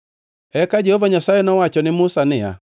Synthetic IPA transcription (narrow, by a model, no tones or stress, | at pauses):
ɛkad͡ʒɛhɔvaɲasajɛnɔwat͡ʃɔnɪmʊsanɪa̰